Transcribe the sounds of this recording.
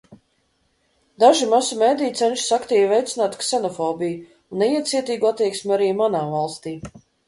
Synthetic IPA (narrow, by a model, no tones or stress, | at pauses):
d̪aʒimasumeːd̪ijt̪sɛnʲʃsakt̪iːvvɛjt̪sɪnaːt̪ksɛnɔfɔːbiju | unːɛiɛt̪siɛt̪iːɡuat̪ːiɛksmʲuaɾiːmanaːvalˠst̪iː